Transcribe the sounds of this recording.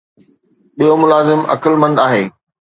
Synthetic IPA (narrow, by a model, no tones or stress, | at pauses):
ɓijomʊlaːzɪmɐ̰kəlmɐ̃nd̪aːɦeː